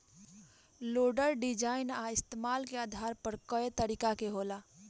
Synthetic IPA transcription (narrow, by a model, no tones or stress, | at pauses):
loɖəɾɖid͡ʒaːɪnaɪst̪emalkead̪ʱaɾpəɾkəet̪əɾikakeɦola